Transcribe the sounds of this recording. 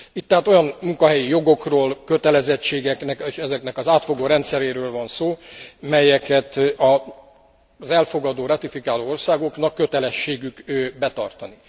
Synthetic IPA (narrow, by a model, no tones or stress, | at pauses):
it̪ːɛɦaːt̪o̞jɒnmuŋkɒɦɛjijo̞ɡo̞kroːlkø̞t̪ɛlɛzɛt͡ʃːeːɡɛknɛkeːʃɛzɛknɛkɒzaːt̪fo̞ɡoːɾɛnt̪sɛɾeːɾøːlvɒnsoːmɛjɛkɛt̪ɒ | zɛlfo̞ɡɒd̪oːɾɒt̪ifikaːloːo̞rsaːɡo̞knɒkːø̞t̪ɛlɛʃːeːɡykøbɛt̪ɒ̰rt̪ɒni